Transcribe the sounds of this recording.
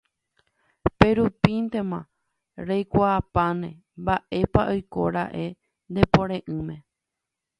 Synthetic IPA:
pe̞ɾupint̪e̞mã̰ | ɾejkʷaːpãnẽ | mbaʔe̞paʔojko̞̰ɾaʔe̞ | nd̪epõɾẽʔɨ̃mẽ̞

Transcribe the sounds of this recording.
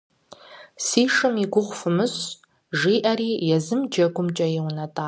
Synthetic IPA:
siːʂɨmiɡʷʊʁʷfɨmɨɕ | ʒiːʔɐɾiːjɛzɨmd͡ʒɐɡʷʊmt͡ʃʼɐjɛwnɐtʼaː

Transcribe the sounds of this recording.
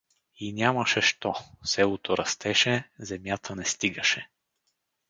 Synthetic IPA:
inʲamɐʃɛʃt̪ɔsɛlˠot̪oɾʔɐst̪ɛʃɛzɛmjat̪ʰənɛst̪iɡəʃɛ

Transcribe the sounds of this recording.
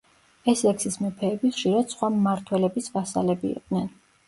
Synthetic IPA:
ɛslɛksismɛpʰɛːbiχʃiɾad̪̥sχwamːaɾt̪ʰwɛlɛbisvasa̰lɛbḭːqʼd̪nɛn

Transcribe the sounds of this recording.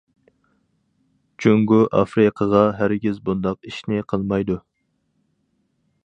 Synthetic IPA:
t͡ʃʰøŋɡuʔɑfɾɨqʰəʁɑɦæɾɡʲizbund̪ɑqiʃnɪqʰəlˠmɑjd̪u

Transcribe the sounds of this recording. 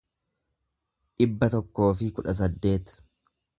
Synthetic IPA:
ᶑɪbːɐt̪ɔkːo̞ːfɪkʊᶑɐs̬ɐd̪ːe̞ːt̪

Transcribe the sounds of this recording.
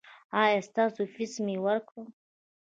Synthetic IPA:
aɛst̪asufismiwaɾko

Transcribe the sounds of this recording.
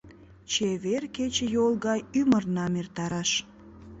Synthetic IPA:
t͡ɕeβerket͡ɕəjolˠɣɑjymərnɑmert̪ɑɾɑʃ

